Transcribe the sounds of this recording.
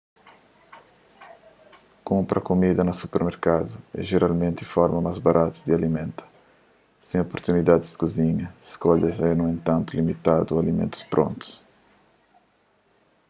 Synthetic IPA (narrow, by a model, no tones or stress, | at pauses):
kõmpɾʔɐkumid̪ɐnɐsupeɾmeɾkad̪ʊɛ̰ʒeɾalmẽnt̪ɪfɔɾmɐmajzbaɾʔat̪ud̪ɪalimẽnt̪ɐ̥ | sẽopoɾt̪unid̪ad̪ɪzd̪kuziɲɐi̥skɔʎɐzɛnũẽnt̪ãnt̪ulimit̪ad̪ualimḛ̃nt̪u̥spɾʔõ̰nt̪u̥s